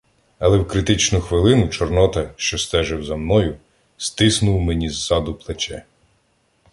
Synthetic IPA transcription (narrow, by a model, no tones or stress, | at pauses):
ɐlˠɛwkɾɪt̪ɪt͡ʃnʊxʋɪlˠɪnʊt͡ʃɔrnɔt̪ɐʃt͡ʃɔst̪ɛʒɛwzɐmnɔjʊ | st̪ɪsnʊwmenʲizːɑd̪ʊplˠet͡ʃɛ